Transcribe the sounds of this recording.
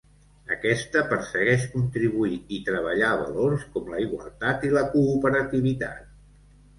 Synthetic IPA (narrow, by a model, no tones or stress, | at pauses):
əkɛst̪əpəɾsəɣɛʃkunt̪ɾiβuiit̪ɾəβ̞əʎaβə̰loɾskɔmləiɣwə̰lˠt̪at̪iləkuːpəɾət̪iβ̞it̪a̰t̪̚